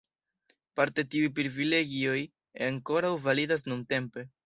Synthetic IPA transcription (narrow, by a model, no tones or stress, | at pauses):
paɾte̞tiujp̬ɾivile̞ɡio̞j | aŋko̞ɾawvalidas̬nunte̞mpe̞